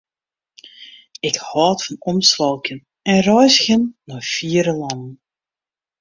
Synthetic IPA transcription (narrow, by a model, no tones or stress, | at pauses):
ɪkhɑːtfɑnɔmsʋɑlˠkən | ɛnrœjsɣənːɔːfiːəɾəlɑndən